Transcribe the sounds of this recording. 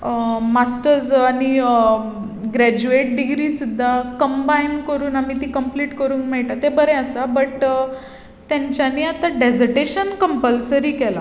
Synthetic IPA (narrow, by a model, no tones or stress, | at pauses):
masʈəɾd͡zaɽ̃i | ɡɾæd͡ʑueʈ̚ɖiɡɾiːsud̪ʱːakəmbainkəɾuːnamit̪ĩːkəmpliːʈkəɾuːnkmɛɭʈat̪ebəɾɛ̃əsabəʈ | t̪jãɲt͡ɕjaniːat̪aɖed͡zəɾʈeɕənkəmpəlsəɾiːkɛla